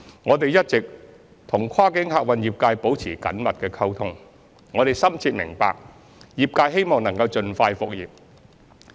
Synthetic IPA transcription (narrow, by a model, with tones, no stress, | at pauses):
ŋɔː˨˧t̪e˨jɐ˥t̚t͡sɪ˨k̚ | t̪ʰʊ˨˩ŋkʰaː˥kɪ˨˥ŋɦaː˨˧k̚wɐ˨njiː˨p̚kaː˧jpo˨˥wt͡sʰiː˨˩kɐ̰˨˥nmɐ˨t̚kɛː˧kʰɐ˥wt̪ʰʊ˥ŋ | ŋɔː˨˧t̪e˨jsɐ˥mt͡sʰiː˧t̚mɪ̰˨˩ŋpa̰ː˨k̚ | jiː˨p̚kaː˧jɦe˥jmɔː˨˩ŋnɐ˨˩ŋkɐ˧wt͡ʃɵ˧nfaː˧jfʊ˨k̚jiː˨p̚